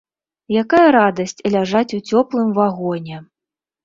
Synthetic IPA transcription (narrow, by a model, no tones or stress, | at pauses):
jakajɐɾad̪ɐsʲt͡sʲlʲaʐat͡sʲut͡sʲɔplˠɨmvaɣɔnʲɛ